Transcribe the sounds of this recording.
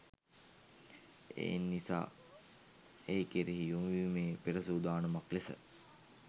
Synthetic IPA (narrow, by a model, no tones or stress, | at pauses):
ḛːnːisa̰ː | eːkeɾiɦijumiʋimeːpeɾəsuːd̪aːnumaklesə̰